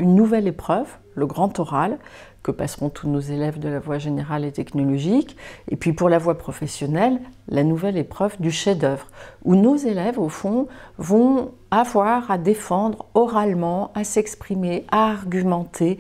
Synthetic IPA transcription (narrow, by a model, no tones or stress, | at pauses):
ynːuvɛlepχœv | ləɡʁɑ̃t̪ɔʁal | kəpasʁɔ̃t̪ʰunozelɛvd̪əlavwaʒeneʁalet̪ɛknɔlɔʒikḛpɥipuʁlavwapχɔfɛsjɔnɛlːanuvɛlepχœvd̪yʃed̪œvʁunozelɛvofɔ̃vɔ̃ | avwaʁad̪efɑ̃d̪ʁɔʁalmɑ̃asɛkspχimeʔaːʁɡʲymɑ̃t̪ʰe